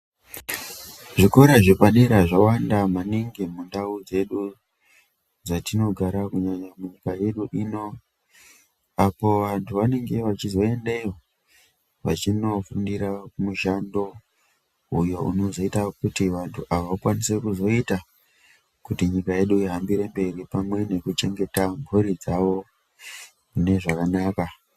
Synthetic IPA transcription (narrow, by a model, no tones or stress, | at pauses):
ʐiko̞ɾaʐikwaɗiɾaʐawandamaniŋɡemundaud͡ze̞ɗu | d͡zatino̞ɡʱaɾakuɲaɲamuɲikaje̞ɗuʔino̞ | apo̞ʋantʰuʋane̞ŋɡe̞ʋat͡ʃizo̞e̞ndeo | ʋa̰t͡ʃino̞fundiɾakumuʃando̞ | ujo̞ṵno̞zo̞itakutiʋantʰuʔaʋaʋakwanise̞kuzo̞ita | kutiɲikaje̞ɗuiɦambiɾe̞mbe̞ɾipamwe̞ne̞kut͡ʃe̞ŋɡe̞tambuɾid͡zaʋo̞ | kune̞ʐakanaːka